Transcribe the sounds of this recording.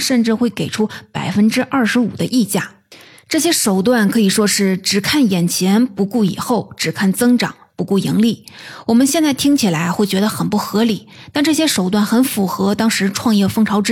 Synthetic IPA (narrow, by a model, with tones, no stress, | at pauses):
ʂə˥˧nʈ͡ʂɻ̩˥˧xwe˥˩ɪke˨˩ɪʈ͡ʂʰu˥pa˨˩ɪfə˥nʈ͡ʂɻ̩˥ʔɐ˥˩ʂɻ̩˧˥ṵ˨˩d̪ə̰˦ʔi˥˧t͡ɕja̰˥˩ | ʈ͡ʂɤ˥˩ɕ̬jɛ˥ʂo˨˩ʊt̪wa˥˩nkʰɤ˧˥i˨˩ʂwɔ˥ʂɻ̩˥˩ʈ͡ʂɻ̩˨˩kʰa˥˩njɛ˨˩nt͡ɕʰjɛ˧˥npu˧˥ku˥˩ḭ˨˩xo˥˩ʊʈ͡ʂɻ̩˨˩kʰa˥˩nt͡sɤ˥ŋʈ͡ʂɑ̰˨˩˦ŋpu˧˥ku˥˩jḭ˧˥ŋli˥˩wɔ˨˩mə˧˦nɕjɛ˥˧nt͡sa˥˩ɪt̪ʰi˥ŋt͡ɕʰi˨˩la˧˥ɪxwe˥˩ɪt͡ɕɥɛ˧˥d̪ə˧xə˨˩npu˥˩xɤ˧˥li˨˩˦ | t̪a˥˧nʈ͡ʂɤ˥˩ɕ̬jɛ˥ʂo˨˩ʊt̪wa˥˩nxə˧˥nfu˨˩xɤ˧˥t̪ɑ˥ŋʂɻ̩˧˥ʈ͡ʂʰwɑ˥˧ŋjɛ˥˩fɤ˥ŋʈ͡ʂʰɑ˧˥ʊʈ͡ʂ